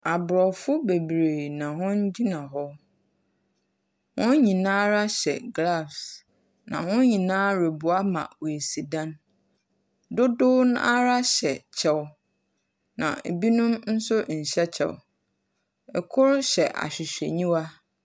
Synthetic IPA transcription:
a˨bɾɔ˨fʊ˦be˨bɾe˨nã˨hʊ̃˦n˦d͡ʑi˦nã˨ɦɔ˦ | wʊ̃˦nɲĩ˨nãː˦ɾa˦ɕɛ̰˨ɡla˦˨fs | nã̰˨hʊ̃˦ɲĩ˨nãː˦ɾe˨bʊ˨a˦mã̰˨wo˨e˨si˨dã˦n | dʊ˦dʊ˦na˦ɾa˦ɕɛ˨t͡ɕʰɛ˦w | nã̰˨e˨bi˦nʊ̃˦mn̩˦sʊ˦n̩˨ɕɛ˦t͡ɕʰɛ̰˨w | ɛ˨kʰʊ˦ɾɕɛ˨ʔa̰˨ɕᶣɪ˨ɕᶣḛ˨ɲĩ˦wa˦

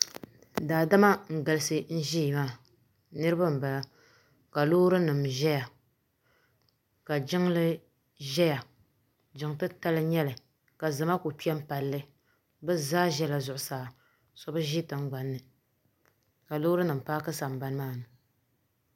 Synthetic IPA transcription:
daː˨da˦ma˦ŋ̩˨ɡa˨lɨ˦sɨ˨n̩˦ʒi˦˨maː˦˨ | nɨ˦ɾɨ˦ba˦m̩˨ba˨a˦ | ka˨loː˦ɾɨ˦nɨ˨mʒɛ˦ja˨ | ka˨d͡ʒɪ˦ŋlɨ˦ | ʒɛ˦ja˨ | d͡ʒɪ˨ŋtɨ˦ta˦lɨ˦ɲɛ˦lɨ˨ | ka˨zɨ˨ma˦ko˨pi˦ɛ˦m̩˦pa˨lːɨ˦ | bɨ˦zaː˦ʒɛ˦la˨zʊ˨ʔʊ˨saː˨ | sɔ˦bɨ˦ʒi˦tɨ˨ŋ̩˦ɡ͡ba˨nːɨ˨ | ka˨lo˦ɾɨ˦nɨ˨m˨paː˦kɨ˦sa˨m˨ba˦n˦maː˦˨nɨ˨

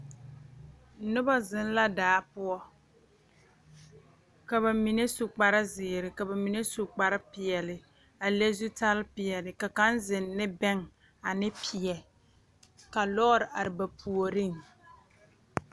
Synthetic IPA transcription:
nʊ˦ba˦zɪ˦n˦la˦daː˨˦pʊ˦ɔ˦ | ka˨ba˨mi˨ne˦su˨k͡pa˨ɾɪ˦zɪː˨ɾɪ˨ka˨ba˨mi˨ne˦su˨k͡pa˨ɾɪ˦pɪ˨ɛ˨lɪ˨ | a˨le˦zu˦ta˦lpɪ˨jɛ˨lɪ˨ka˨ka˦nzɪ˨nːɪ˦bɛ˦ŋ | a˨nɪ˦pʰɪ˨ɛ˨ | ka˨lɔ˦ɾɪ˨ʔa˨ɾɪ˨ba˨pʰu˨o˨ɾɪ˦˨ŋ

